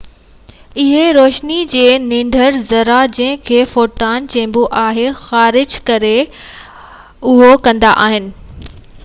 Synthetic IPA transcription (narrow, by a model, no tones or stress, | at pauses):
ɪɦeɾoːʃnid͡ʑeːnɪ̃ɳɖʱəɾzɐɾad͡ʑɐ̃ɦɪ̃kʰeːfoːʈaːnt͡ɕɐ̃ɦmbuʔaːɦexaːɾɪd͡ʑkɐɾe | ʊɦokɐ̃nd̪a̰ʔaːɦɪnɪ̆